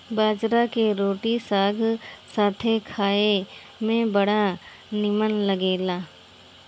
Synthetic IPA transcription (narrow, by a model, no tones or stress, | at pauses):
baːd͡ʒɾakeɾoːʈisaːɡʱsaːt̪ʰekʰaːe | mẽbɐɽa | nɪmənləɡeːlaː